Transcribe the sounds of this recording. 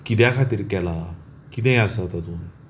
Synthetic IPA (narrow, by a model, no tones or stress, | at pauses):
kid̪jakʰat̪iɾkɛla | kid̪ɛ̃jasat̪ad̪un